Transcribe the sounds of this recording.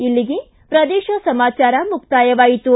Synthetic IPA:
ilːiɡe | pɾɐd̪eːʃɐsɐmaːt͡ʃaːɾɐmuk̚t̪aːjɐʋaːjit̪u

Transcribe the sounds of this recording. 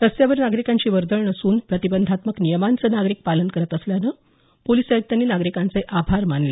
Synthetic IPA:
t̪əst̪jaʋəɾnaɡɾikaɲt͡ɕiːʋəɾd̪əɭɳəsuːnpɾət̪ibənd̪ʱat̪məknijəmant͡səːnaɡɾiːk̚palənkəɾət̪əsljanə | poliːsajək̚t̪janːiːnaɡɾikant͡səjʔabʱaɾmanle

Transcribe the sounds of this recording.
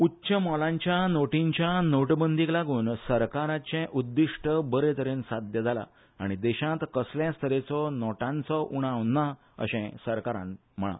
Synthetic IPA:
utːɕəmɔlãɲt͡ɕjanoʈiɲt͡ɕjanoʈbənd̪iklaɡuːnsəɾkaɾat͡ɕɛ̃ʔud̪ːiʂʈəbəɾet̪əɾensad̪jəd͡zʱala̰ | aɽ̃id̪ɛɕãt̪kəsljãst̪ʰəɾet͡sɔnɔʈãnt͡sɔʔuɽ̃aʋnːa | ə̰ɕɛ̃səɾkaɾã̰n | m̤əɭa̰

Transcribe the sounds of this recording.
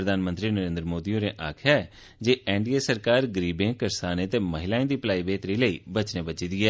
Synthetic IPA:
ɾəd̪aːnmə̃nt̪ɾiːnəɾẽːnd̪ɾəmoːd̪iːõːneːʔaːkʰjaːɛ | d͡ʒeːɛːɳɖiːeːsəɾkaːɾɡəɾiːbẽːkəɾsaːnẽːt̪eːməɦɪlaːẽːd̪iːplaːiːbeːt̪ɾiːləiːbət͡ʃnẽːbət͡ʃiːd̪iːɛː

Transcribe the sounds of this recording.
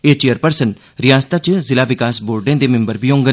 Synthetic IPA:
eːt͡ʃejəɾpəɾsən | ɾɪjaːst̪aːt͡ʃzɪlaːʋɪkaːsboːɾɖẽːd̪eːmɪ̃mbəɾbʱiːɦõːŋɡən

